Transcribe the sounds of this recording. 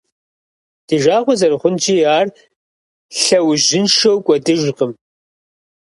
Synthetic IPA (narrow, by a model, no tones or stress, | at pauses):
d̥ɨʒaːʁʷɔzɐrɨχʷʊnt͡ʃʼiːaːr | ɬɐwʒɪnʃɐwkʷʼɔdɨʒʷqəm